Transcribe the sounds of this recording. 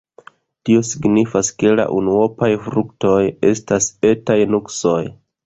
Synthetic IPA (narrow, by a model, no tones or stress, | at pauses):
tio̞siɡnifaske̞la̰ʔunuo̞pajfɾukto̞je̞stase̞tajnukso̞j